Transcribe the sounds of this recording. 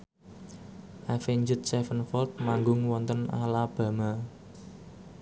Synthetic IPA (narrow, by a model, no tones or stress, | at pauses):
ʔafeɲd͡ʒʊt̪̚sɛfənfɔlt̪̚maŋɡʊŋwɔnt̪əna̰lab̥ä̤ma